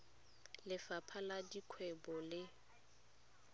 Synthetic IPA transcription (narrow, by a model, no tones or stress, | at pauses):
lɪfapʰaladikʰwɛbɔlɪ